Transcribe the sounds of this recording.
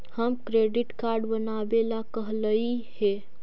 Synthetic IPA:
həmkɾeɖɪʈkaɾɖbənabelakəɦləihe

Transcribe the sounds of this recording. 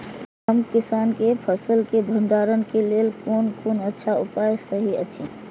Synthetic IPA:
ɦəmkisankepʰəsəlkebʱənd̪aɾənkelelkonkonətːʃʰaupajsəɦiət͡ʃʰi

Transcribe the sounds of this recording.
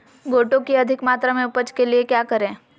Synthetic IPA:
ɡoːʈõkiɐd̪ʱɪkmaːt̪ɾamẽʊpət͡ʃkeliekjakəɾẽː

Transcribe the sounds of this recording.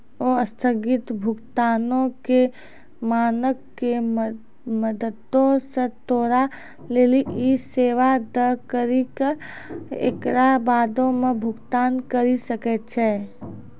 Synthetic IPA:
oːəst̪ʰəɡɪt̪bʱʊɡt̪aːnõke | maːnəkːe | məd̪əd̪õsẽt̪oːɾa | leːliʔiseːʋad̪əkəɾikə | ḛkɾabaːd̪õmebʱʊɡt̪aːnkəɾisəkɛt͡ʃʰɛː

